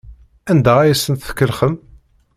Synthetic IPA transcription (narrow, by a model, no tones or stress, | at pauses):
ænd̪ææjæsːənt̪θə̥kːəlχəm